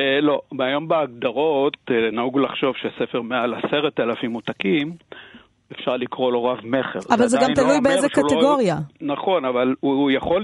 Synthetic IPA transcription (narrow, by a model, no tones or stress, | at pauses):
elo̞majo̞mbeaɡ̚d̪aʁo̞t̪enauɡlaχʃo̞vʃesefeʁmealaseʁet̪elafimut̪akim | efʃaʁlikʁo̞loʁavme̞χḛʁavalzeɡamt̪allujbeezekaleɡoʁjanaχo̞navalujaχo̞